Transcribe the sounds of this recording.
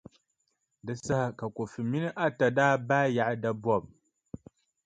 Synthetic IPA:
dɨ˨sa˦ha˨ka˨ko˨fɨ˨mi˦nɨ˦ʔa˦ta˨daː˦baː˦ja˨ʔa˦da˦bɔ˦˨b̚

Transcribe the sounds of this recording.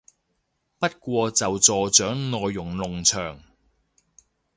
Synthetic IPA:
pɐ˥t̚kʷɔː˧t͡sɐ˨wt͡sɔː˨t͡ʃœː˨˥ŋnɔː˨jːʊ˨˩ŋlʊ˨˩ŋt͡sʰœː˨˩ŋ

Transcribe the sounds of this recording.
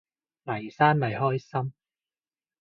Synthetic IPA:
lɐ˨˩jsaː˥nmɐ˨jhɔː˥jsɐ˥m

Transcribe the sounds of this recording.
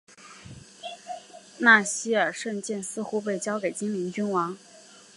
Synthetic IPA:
na˥˩ɕi˥ə˞˨˩ʂə˥˧nt͡ɕjɛ˥˩nsɹ̩˥˧xu˥p̬e˥˩ɪt͡ɕjɑ˥ʊke˨˩ɪt͡ɕi˥ŋmi˧˥ŋt͡ɕy˥nwɑ˧˥ŋ

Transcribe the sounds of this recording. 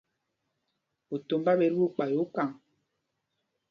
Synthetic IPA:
o˨to˨mba˦be˨˦ɾu˦k͡pa˨jo˨˦ka˨ŋ

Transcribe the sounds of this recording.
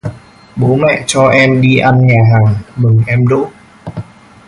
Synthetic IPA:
ɓo˨˦mɛ̰˧˨t͡ɕɔ˧ʔɛ˧mɗi˧ʔa˧nɲaː˨˩ɦaː˨˩ŋmɨ˨˩ŋʔɛ˧mɗo̰˧˥

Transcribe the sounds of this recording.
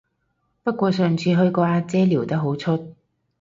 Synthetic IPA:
pɐ˥t̚kʷɔː˧sœː˨ŋt͡sʰiː˧ɦɵ˧ɥkɔː˧aː˧t͡sɛː˥liː˨˩wt̪ɐ˥k̚ɦo˨˥wt͡sʰɵ˥t̚

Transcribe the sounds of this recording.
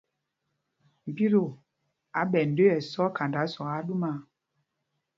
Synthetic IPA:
m̩˨bi˦ɾo˨ | a˨˦ɓɛ˨n̩˨dø˦ɛ˨sɔ˦ka˨nda˨˦sɔ˨ɣa˦ɗu˦ma˦

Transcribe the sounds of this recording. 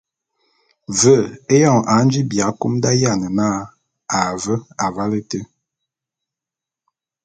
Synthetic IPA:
və˦˨e˦jɔ˦˨ŋa˨˦n˦d͡ʒi˦bja˨˦ku˦mda˦ja˦˨nə˨na˦ | a˨və˦a˨va˦lə˦tə˦

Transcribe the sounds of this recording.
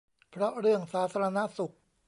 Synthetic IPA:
pʰɾɔ˦˥ɾɯ˥˩əŋsaː˩˦t̪ʰːa˧ɾa˧na˦˥su˨˩k̚

